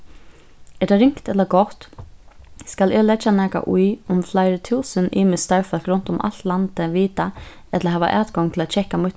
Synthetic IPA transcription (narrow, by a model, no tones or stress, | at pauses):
ɛt̪aɾɪŋ̥kt̪ɛt̪laɡɔht̪ | skalɛːlɛt͡ʃːanɛːka̰ʔujʊmflaɪɾɪt̪ʰuːsənʔiːmɪst̪ajfɛlkɾʊnt̪ʊma̰lt̪lant̪ɪʋiːt̪a | ɛt̪ʰlaɦɛːʋa̰ʔaːt̪ɡɔŋt̪ʰɪlat͡ʃʰɛhkːamʊt̪